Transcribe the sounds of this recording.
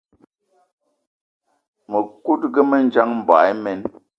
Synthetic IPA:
mə˨ku˦t̚ɡə˦mə˦n̩˦d͡ʒa˦ŋm̩˨ba̰˨˦jmɛ˨n

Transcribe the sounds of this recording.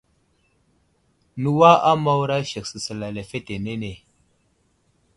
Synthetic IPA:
nu˦wa˦ʔa˦ma˦wɾa˦ʃe˨ksə˨sə˨la˨le˨fe˦te˨ne˦ne˨

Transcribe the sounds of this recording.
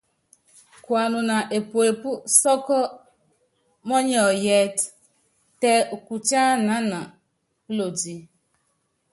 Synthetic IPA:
kwa˨nʊ˨na˨ʔe˨po˨e˨pu˦sɔ˦kɔ˦ | mɔ˦ɲɔ˨jɛ˦t | te˦u˨ku˨t͡ʃa˦na˨˦na˨˦ | lo˨di˨

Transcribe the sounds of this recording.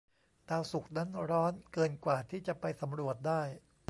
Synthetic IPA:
t̪aː˧wsu˨˩k̚na˦˥nɾɔː˦˥nkɤː˧nkwaː˨˩t̪ʰiː˥˩t͡ɕa˨˩pa˧jsa˩˦mɾu˨˩ət̪̚daː˥˩j

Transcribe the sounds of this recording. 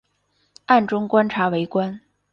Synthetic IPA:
a˥˩nʈ͡ʂʊ˥ŋkwa˥nʈ͡ʂʰa˧˥we˧˥ɪkwa˥n

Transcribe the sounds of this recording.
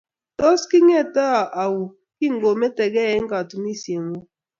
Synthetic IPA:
tɔ˦ski˦ŋɛ˦˨ta˦˨ʔa˨wu˨ | ki˦˨ŋɡo˨mɛ˦tɛ˨ɡɛ˦˨ɛ˦ŋ˦ɡa˨tu˨mi˦˨sje˨ŋo˦

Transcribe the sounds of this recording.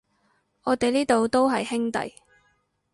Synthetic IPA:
ɔː˨˧t̪e˨jliː˥t̪o˨wt̪o˥wɦɐ˨jhɪ˥ŋt̪ɐ̰˨j

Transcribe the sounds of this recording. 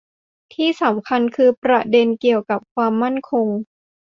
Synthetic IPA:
t̪ʰiː˥˩sa˩˦mkʰa˧nkʰɯː˧pɾa˧de˧nki˨˩əwka˨˩p̚kʰwaː˧mːa˥˩nkʰo˧ŋ

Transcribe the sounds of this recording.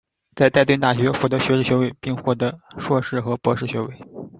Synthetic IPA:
t͡sa˥˧ɪt̪a˥˧ɪt̪wnt̪a˥˩ɕɥɛ˧˥xwɔ˥˩t̪ɤ˧˥ɕɥɛ˧˥ʂɻ̩˥˩ɕɥwe˥˩ɪpi˥˧ŋxwɔ˥˩t̪ɤ˧˥ʂwɔ˥˧ʂɻ̩˥˩xɤ˧˥pwɔ˧˥ʂɻ̩˥˩ɕɥɛ˧˥we˥˩ɪ

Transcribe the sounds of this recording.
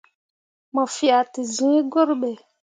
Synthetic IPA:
mɔ˨fi˨a˨ti˨zĩ˦ɡo˦ɾɓɛ˨

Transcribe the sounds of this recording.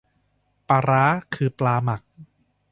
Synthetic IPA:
paː˧ɾaː˦˥kʰɯː˧plaː˧ma˨˩k̚

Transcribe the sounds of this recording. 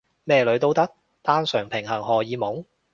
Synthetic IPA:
mɛː˧lɵ˨˧ɥt̪o˥wt̪ɐ˥k̚ | t̪aː˥nsœː˨˩ŋpʰɪ˨˩ŋɦɐ˨˩ŋɦɔː˨˩jiː˨˥mo˨˥ŋ

